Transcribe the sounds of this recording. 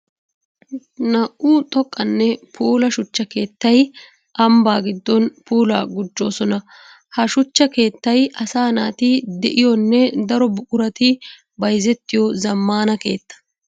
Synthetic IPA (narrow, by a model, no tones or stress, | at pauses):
nɐʔʔuːt̪ʼɔkʼːɐnːɛpʰuːlɐʃʊt͡ʃːɐke̞ːt̪ːɐj | ʔɐmbaːɡɪd̪ːɔnpuːla̰ːɡʊd͡ʒːo̞ːsɔnɐ | hɐʃʊt͡ʃːɐke̞ːt̪ːɐjɐsaːnaːt̪ɪd̪ɛʔɪjɔnːɛd̪ɐɾɔbʊkʼʊɾɐt̪ɪ | bɐjzɛt̪ːɪjɔzɐmːaːnɐke̞ːt̪ːɐ̥